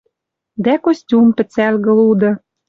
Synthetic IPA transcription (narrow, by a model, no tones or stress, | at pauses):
d̪ækosʲtʲumpɘ̆t͡sælɣə̆lud̪ɤ̆